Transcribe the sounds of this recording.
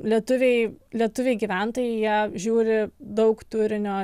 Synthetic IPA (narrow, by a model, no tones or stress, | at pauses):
lʲiɛt̪ʊʋʲeɪlʲiɛt̪ʊʋʲeɪɡʲiːʋʲænt̪oːjɛɪjiɛʒʲuːɾʲɪd̪ɐʊkt̪ʊɾʲɪnʲoː